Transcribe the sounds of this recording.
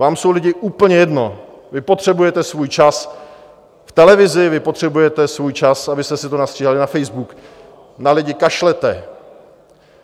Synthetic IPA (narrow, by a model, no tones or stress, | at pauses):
vaːmso̞wlɪɟɪʔuːpl̩ɲɛjɛdno̞ | vɪpo̞t̪r̝̥ɛbujɛt̪ɛsvuːjt͡ʃas | ft̪ɛlɛvɪzɪvɪpot̪r̝̥ɛbujɛt̪ɛsvuːjt͡ʃasabɪst̪ɛsɪt̪onast̪r̥iːɦalɪnafɛjzbuk | nalɪɟɪkaʃlɛt̪ɛ